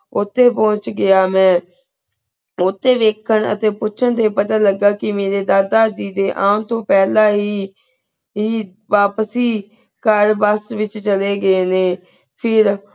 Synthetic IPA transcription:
ʊt̪ʰːeːpɔ̃ːt͡ʃɡɪjaːmɛ̃ː | ʊt̪ʰːeːʋeːkʰːəɳə̰t̪eːpʊːʃʰəɳt̪eːpət̪aːləɡːaːkɪmeːɾeːd̪aːd̪aːd͡ʒiːd̪eːʔaːnt̪õːpɛːlaːɦiː | ɦiː | ʋaːpsiː | kəɾʋəsʋɪt͡ʃt͡ʃəleːɡəeːneː | pʰɪɾ

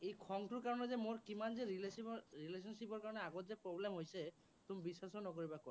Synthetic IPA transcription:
ejkʰɔŋʈuɾkaɹɔnezemoɹkimanzeɾileɾiles̬ɔnsipɔɹkaɹɔneaɡot̪zepɾoblemɦojse | t̪umibiswasonɔkoɾibako

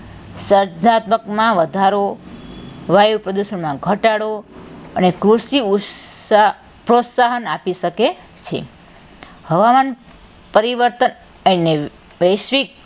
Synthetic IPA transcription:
səɾd͡ʒnat̪məkmãʋəd̪ʱaɾo | ʋajupɾəd̪uʃəɳmãɡʱəʈaɽoənekɾuʃiu | pɾot̪saɦənapiʃəke | t͡ʃʰḛ | həʋaman | pəɾiʋəɾt̪ən | əne | ʋəjʃʋik̚

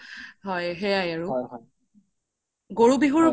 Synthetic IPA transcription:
ɦɔjɦɛjajaɹuɦɔ | ɡoɹubiɦuɹ

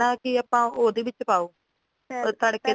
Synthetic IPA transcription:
aːkɪaːpãːoːd̪eːʋɪt͡ʃpaːoː | t̪əːɽkeː

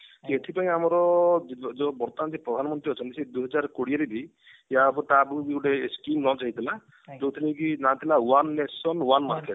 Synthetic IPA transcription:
kieʈʰipaĩamɔɾɔd͡ʒd͡ʒɔbɔɾt̪and͡ʒipɾɔd̪ʱanɔmɔnt̪ɾiɦɔt͡ʃʰɔnt̪ised̪uɦɔd͡ʒaɾkoɽiaɾibʱi | jabɔʈabubiɡuɽeskimnɔt͡ʃaɦit̪ʰila | d͡ʒowt̪ʰilekinat̪ʰilawanːesɔnwanmaɾkeʈ

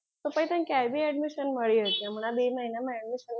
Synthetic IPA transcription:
səpajt̪ənkjajbʱiːɛɖmiɕənməɭiɦət̪iam̤uɽ̃abeməɦinamaɛɖmiɕən

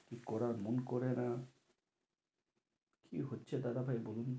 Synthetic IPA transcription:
kikɔɾaɾmonkoɾena | kʰḭɦotːɕʰed̪ad̪abʱajbolun

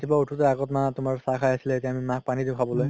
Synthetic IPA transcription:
tʰibautʰutɛaɡɔtmatumaɹsakʰajasilɛetiaamimãk̚panitũkʰabɔloj

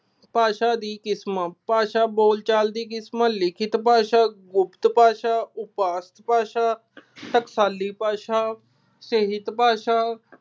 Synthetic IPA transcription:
paːʃaːd̪iːkɪsmaːpaːʃaːboːlt͡ʃaːld̪iːkɪsmaːlɪkʰɪt̪paːʃaːɡʊpt̪paːʃaːʊpaːst̪paːʃaː | t̪əksaːlːiːpaːʃaː | səɦɪt̪paːʃaː

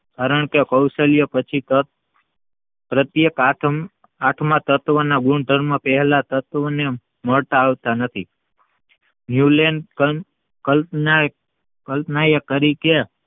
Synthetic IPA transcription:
kaɾəɳkekəwʃəljəpət͡ʃʰit̪ə | pɾət̪jekaʈʰ | aʈʰmãt̪ət̪ʋənaɡuɳd̪ʱəɾmãpɛɦɛlat̪ət̪ʋəne | məɭt̪aːʋt̪anət̪ʰi | njulenkə | kəln | kəlpnajəkəɾike

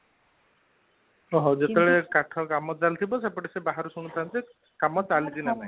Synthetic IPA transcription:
ɔɦɔd͡ʒet̪eɭekaʈʰɔkamɔt͡ʃalt̪ʰibɔsepɔʈesebaɦaɾusuɽ̃ut̪ʰant̪e | kamɔt͡ʃalid͡ʒinanaĩ

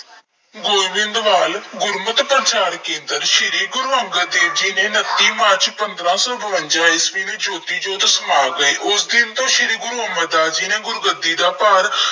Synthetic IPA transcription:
ɡoːiʋɪ̃nd̪ʋaːlɡʊɾmət̪pəɾt͡ʃʰaːɾkẽːnd̪əɾʃɪɾiːɡʊɾʋəŋɡəd̪eːd͡ʒiːnẽːnət̪ːiːmaːt͡ʃpənd̪ɾãːsɔːbəʋənt͡ʃaːisʋĩːniːd͡ʒoːt̪iːd͡ʒoːd̪əsəmaːɡəeːʔʊsd̪ɪnt̪õːʃɪɾiːɡʊɾɦəməd̪aːd͡ʒiːnẽːɡʊɾɡəd̪ːiːd̪aːpaːɾ

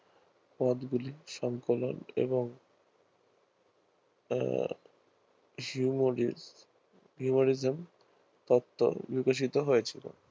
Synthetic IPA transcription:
pɔd̪ɡuliʃɔŋkolo̰nḛboŋ | ɦumoɾizm | t̪ɔt̪ʰːo̰bikoʃ̬it̪oɦojet͡ɕʰilo̰

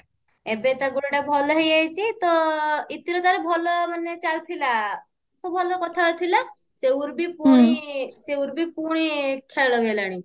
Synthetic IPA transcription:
ebet̪aɡuɽɽabʱɔlɔɦejajt͡ɕit̪ɔit̪iɾɔt̪aɾebʱɔlɔmanːet͡ɕalt̪ʰila | sobʱɔlɔkɔt̪ʰalɔt̪ʰila | seuɾbʱipuɽ̃iseuɾbʱipuɽ̃ikʰeɭlɔɡelaɽ̃i

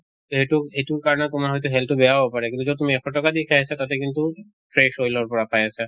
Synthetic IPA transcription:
t̪oɦetuejtuɹkaɹɔnet̪ʊmaɹɦɔjt̪uɦɛltubeabɔpaɹɛkint̪uzɔt̪umiɛkʰɔʈɔkad̪ikʰaasat̪at̪ekint̪u | fʰɹeʃojlɔɹpɔɹapajasɛ

